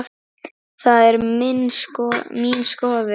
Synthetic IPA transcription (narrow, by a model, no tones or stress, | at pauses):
θaðɛɾmɪnskɔmiːnskɔːðɪ